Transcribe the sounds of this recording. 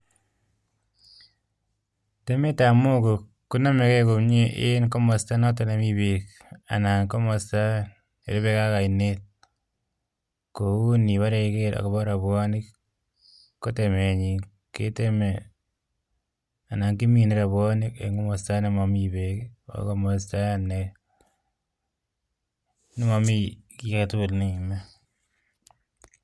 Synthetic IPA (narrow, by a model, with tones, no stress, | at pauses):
te˦me˦ta˨mo˦ko˨ | kːu˦na˦me˨ke˦ko˨pɲi˦ʔe˦nko˦mɔ˨sta˦nɔ˦t̬o˦ne˨mi˦bek | a̰˨na˨ŋko˦mɔ˨sta˦n | ḛ˨ɾi˦βe˦ka˦ka˨i˨ne˦t̚ | ko˨u˦ni˨βa˦ɾe˨keɾa̰˨ko˨bɔ˦ɾa˨βwɔ˦nɪ˦kː | o˦te˨me˨ɲi˨ | kḛ˦te˦me˨ | a˨na˨ŋki˦mi˨ni˦ɾa˨βwɔ˦nɪ˦kḛŋo˦mɔ˨sta˦ne˦ma˨mi˦be˨ko̰ko˦mɔs̬ta˦ne˨ | ni˦ma˨mi˦ki˦katulne˦i˨ma˦